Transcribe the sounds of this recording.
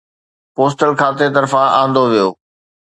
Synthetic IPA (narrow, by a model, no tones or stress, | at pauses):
poːsʈəlkʰaːt̪et̪ɐɾfãʔã̰ːnd̪oʋijoː